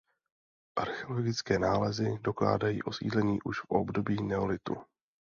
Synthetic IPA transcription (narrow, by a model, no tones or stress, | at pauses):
ʔaɾxɛolo̞ɡɪt͡skɛːnaːlɛzɪdo̞kla̰ːdajḭːʔo̞sḭːdlɛɲiːʔuʃfʔo̰bdo̞biːnɛolɪt̪ṵ